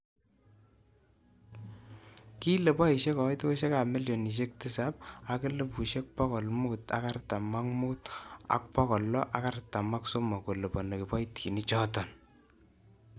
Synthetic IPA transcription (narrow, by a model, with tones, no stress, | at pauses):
ki˦le˨pa˦i˨ʃe˦kɔ˨jto˦ʃe˦ka˨me˦ljo˨ni˨ʃ̬e˦k̚tɪ˦sa˦p̚a˨kɪ˦le˦pu˨ʃe˦k̚pɔ˦kɔ˨lmu˦ta̰˦ka˦rta˨ma˦ŋmu˦ta̰˨k̚pɔ˦kɔ˨lːɔ˦ʔa˦ka˦rta˨ma˦kso˦ma˨ko˨le˨pɔ˨ne˨kɪ˨pa˦jtki˨ni˦t͡ʃɔ˦tɔn